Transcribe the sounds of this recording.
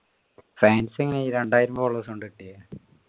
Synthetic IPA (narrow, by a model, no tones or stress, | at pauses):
faːnseŋːɐneiːɾeɳɖaːjiɾumboːɭːɐsoɳɖɨiʈːijɐ